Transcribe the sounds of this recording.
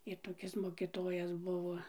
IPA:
ɪ toːˈkʲɪs moːkʲɪˈtoːjɛs ˈbʊʋoː

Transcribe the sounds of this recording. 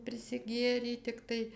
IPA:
pʲrʲɪsʲɪˈɡʲeːrʲɛɪ tʲɪkˈtɐɪ

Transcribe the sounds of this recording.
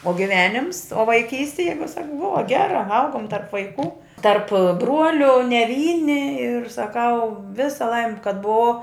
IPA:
oː ɡʲɪˈʋʲæːnʲɪms oː ʋɐɪˈkʲiːsʲtʲɪ ˈjɛɪɡʊ ˈsɐk ˈbʊʋɐ ˈɡʲæːrɐ ˈɐʊɡʊm tɐrp ʋɐɪˈkuː tɐrp ˈbruɔlʲʊ nʲɛ ˈʋʲiːnʲɪ ɪr sɐˈkɐʊ ˈʋʲɪsɐ ˈlˠɐɪmʲɪ kɐt bʊˈʋɐʊ

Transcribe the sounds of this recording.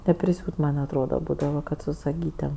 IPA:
nʲɛpʲrʲɪˈsʲuːt mɐnʲ ɐtˈroːdɐ ˈbuːdɐʋɐ ˈkɐt sʊ sɐˈɡʲiːtʲeːm

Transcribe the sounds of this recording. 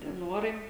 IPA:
tʲiɛ ˈnuɔrɐɪ

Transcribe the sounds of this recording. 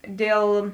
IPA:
ˈdʲeːlˠ

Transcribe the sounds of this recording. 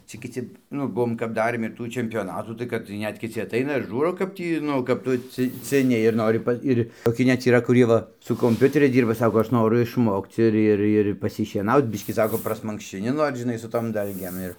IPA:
ˈt͡sʲɛ kʲɪˈt͡sʲɪ ˈnʊ ˈbʊʋoːm kɐp ˈdɑːrʲeːm ɪr ˈtuː t͡ʃʲɛmʲpʲoːˈnɑːtuː tɐɪ ˈkɐt tɐɪ ˈnʲɛt kʲɪˈt͡sʲɪ ɐˈtɐɪnɐ ɪr ˈʒuːroː kɐp ˈtʲiː ˈnʊ kɐp ˈtʊ ˈt͡sʲɪ t͡sʲɪˈnʲɪ ɪr ˈnoːrʲɪ pɐ ˈɪrʲ toːˈkʲɪ nʲɛt iːˈrɐ kʊˈrʲiɛ ˈʋɐ sʊ koːmʲˈpʲʊtʲɛrʲɛɪs ˈdʲiːrbɐ ˈsɑːkoː ˈɐʃ ˈnoːrʊ ɪʃˈmoːkt͡s ˈɪr ˈɪr ɪr pɐsʲɪʃʲiɛˈnɐʊt͡s ˈbʲɪʃʲkʲiː ˈsɑːkoː prɐsmɐŋkʃʲt͡ʃʲɪˈnʲɪ ˈnoːr ʒʲɪˈnɐɪ sʊ toːm ˈdɐlʲɡʲeːm ˈɪr

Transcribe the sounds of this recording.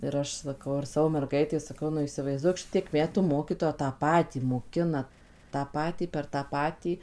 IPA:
ɪr ˈɐʃ sɐˈkɐʊ ɪr ˈsɑːʋoː mʲɛrˈɡɐɪtʲɛɪ sɐˈkɐʊ nʊ iːsʲɪʋɐɪzˈduɔk ˈʃʲɪtʲiɛk ˈmʲæːtuː ˈmoːkʲiːtoːjɛ tɑː ˈpɑːtʲiː moːˈkʲɪnɐ tɑː ˈpɑːtʲiː pʲɛr tɑː ˈpɑːtʲiː

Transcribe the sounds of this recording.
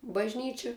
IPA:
bɐʒʲˈnʲiːt͡ʃʲɪ

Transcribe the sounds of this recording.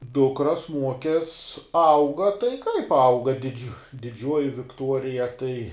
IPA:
ˈdʊkrɐs ˈmuɔkʲɛs ˈɐʊɡɐ tɐɪ kɐɪp ˈɐʊɡɐ dʲɪˈd͡ʒʲʊ dʲɪˈd͡ʒʲuɔjɪ ʋʲɪkˈtuɔrʲɪjɛ tɐɪ

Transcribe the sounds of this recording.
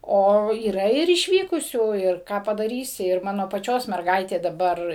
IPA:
ˈoː iːˈrɐ ɪr ɪʃʲˈʋʲiːkʊsʲuː ɪr ˈkɑː pɐdɐˈrʲiːsʲɪ ɪr ˈmɑːnoː pɐˈt͡ʃʲoːs mʲɛrˈɡɐɪtʲeː dɐˈbɐr

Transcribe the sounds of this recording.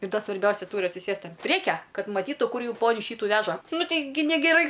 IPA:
ɪr ˈdɐ sʋɐrʲˈbʲɛʊsʲɛ ˈtuːrʲɪ ɐtʲsʲɪˈsʲeːst ɐn ˈpʲrʲiɛkʲɛ ˈkɐt mɐˈtʲiːtʊ ˈkʊr ˈjuː ˈpoːnʲʊ ˈʃʲiːtʊ ˈʋʲæːʒɐ ˈnʊ ˈtʲɛɪɡʲɪ nʲɛɡʲɛˈrɐɪ

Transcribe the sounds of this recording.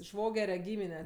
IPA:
ˈʃʋoːɡʲɛrʲɛ ˈɡʲiːmʲɪnʲɛ

